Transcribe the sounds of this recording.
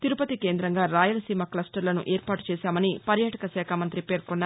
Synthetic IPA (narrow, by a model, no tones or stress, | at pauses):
t̪iɾupɐt̪ikeːnd̪ɾɐŋɡaːɾaːjɐlɐsiːmɐklɐsʈɐɾlɐnṵʔe̞ːɾpaːʈu̥t͡ʃɛːsaːmɐnipɐɾjaːʈɐkɐsɛːkʰamɐnt̪ɾipe̞ːɾkonːaː